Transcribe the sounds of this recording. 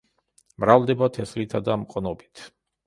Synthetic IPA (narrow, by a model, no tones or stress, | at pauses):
mɾald̪ɛbat̪ʰɛslit̪ʰad̪amqʼɔnɔbit̪ʰ